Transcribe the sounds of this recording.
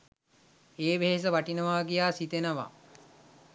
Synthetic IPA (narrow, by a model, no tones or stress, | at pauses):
eːʋeɦes̬əʋaʈinəʋaːɡijaːsit̪enəʋa̰